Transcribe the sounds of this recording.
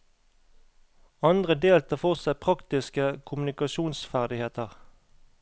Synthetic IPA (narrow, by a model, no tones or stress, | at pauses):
ɑnd̪ʁəd̪eːlt̪əfɔʁsæɪpʰʁɑkt̪ɪskəkʰʊmʉnɪkɑʃuːnsfæʁd̪ɪheːt̪əʁ